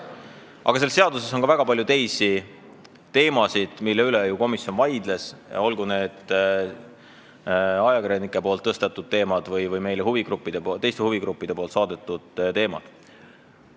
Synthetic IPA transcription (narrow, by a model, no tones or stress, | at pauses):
ʔɑ̰ɡɑse̞lseɑd̪use̞so̞nkɑvæɡ̥ɑpɑlʲjut̪e̞jsi | t̪e̞ːmɑsid̪̥milːeylejuko̞misjo̞nvɑjd̪̥le̞sjɑ̰o̞lɡ̥une̞ːd̪̥ | ɑjɑkiɾjɑnikːˑepolt̪ːɤst̪et̪ːˑud̪̥̚t̪e̞ːmɑd̪̥vɯjvɯjme̞jlehuviɡ̥rupːˑid̪̥et̪e̞jst̪e̞huviɡɾupːˑid̥̪e̞polt̪sɑːd̪̥et̪ːˑud̪̥t̪e̞ːmɑd̪̥